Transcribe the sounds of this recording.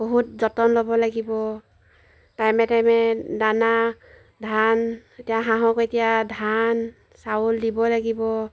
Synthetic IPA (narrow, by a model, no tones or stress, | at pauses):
b̥ɔɦut̚zɔtɔnlɔbɔlaɡibɔ | tajmɛtajmɛdana | dʱanetijaɦaɦɔketijadʱan | sawuldibɔlaɡibɔ